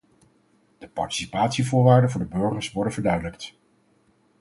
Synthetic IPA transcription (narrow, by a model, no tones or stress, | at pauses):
d̥əpɑ̰ɹti̥sipaːtsivʊːɹʋaːɹdənvʊːɹdəbɵɹχəɹsʋɔɹdənvəɹdœɥdələkt